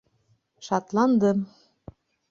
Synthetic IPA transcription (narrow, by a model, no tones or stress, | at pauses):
ʃɑt̪lˠɑnd̪ɤm